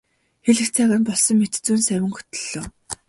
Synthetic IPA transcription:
xeɮɘ̆kt͡sʰæːɣanpɔɮsɞ̆ŋmet̪t͡suːnsæwʲɪ̆ŋxɵ̥t̪ɵ̆ɮ̥ːoː

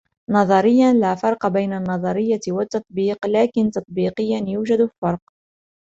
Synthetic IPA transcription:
nɑðˤɑɾɪjːanlaːfɑɾˤqɑbajnanːɑðˤɑɾɪjːawat̪ːɑt̪ˤbiːqlaːkɪnt̪ɑt̪ˤbiːqɪjːanjuːʒad̪ffɑɾˤq

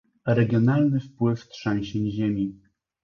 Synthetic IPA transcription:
ɾɛɡʲjɔnalnɘfpwɘft̪ʂɛ̃ɲɕɛɲʑemʲi

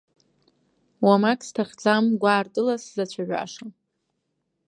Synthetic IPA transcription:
wamakʼstʰaχd͡zamɡʷaːrtʼɨlaszat͡ɕʷʰaɥʷᶣa̰ʂa

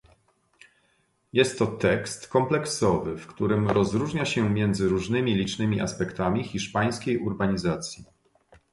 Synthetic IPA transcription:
jɛst̪ːɔt̪ɛkst̪kɔmplɛksɔvɘfkt̪uɾɘmɾɔzɾuʐɲaɕɛmʲjɛnd̪zɘɾuʐnɘmʲilʲit͡ʂnɘmʲiʔa̰spɛkt̪amʲixʲiʂpaj̃skʲejʔuɾbaɲizat̪sʲji

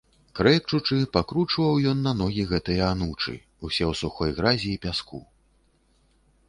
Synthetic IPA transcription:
kɾɛkt͡ʂut͡ʂɨpakɾut͡ʂvɐwjɔnːɐnɔɣʲiɣɛt̪ɨjɐanut͡ʂɨ̰ | usʲɛwsuxɔjɣɾazʲiːpʲasku

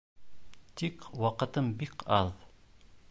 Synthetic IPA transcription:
t̪ikwɑqɤ̆t̪ɤmbikɑð

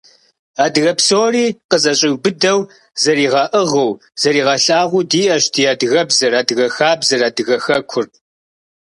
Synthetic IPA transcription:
aːdɨɣɐpsoːriːqəzɐɕʼɪwbɨdɐw | zɐɾiːʁɐʔɨʁɐw | z̥ɐɾiːʁɐɬʼaːʁʷʊdiːʔɐʃtʰijaːdɨɣɐbzɐɾaːdɨɣɐxaːbzɐraːdɨɣɐxɐkʷʰʊr

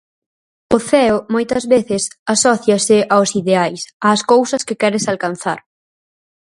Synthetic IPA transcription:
ʊθɛʊmojt̪ɐzβeθɪsasɔθjɐsɪʔawsiðeajsɐːskowsɐskɪkɛɾɪsalkan̟θaɾ

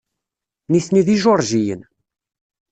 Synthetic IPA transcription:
nisniðiʒoɾˤʒijə̰n

